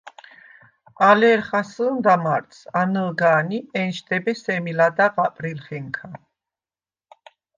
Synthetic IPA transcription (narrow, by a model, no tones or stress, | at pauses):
alɛɾχasənd̪amaɾt̪sanəlɡaːniɛnʃd̪ɛbɛsɛmilad̪aqapʼɾilχɛŋkʰa